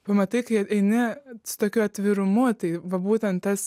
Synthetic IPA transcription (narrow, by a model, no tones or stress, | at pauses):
pɐmɐt̪ɐɪkɐɪɛɪnʲɪsʊ̥t̪oːkʲuɐt̪ʲʋʲɪɾʊmʊt̪ɐɪʋɐbuːt̪ʲɛnt̪̚t̪ɐs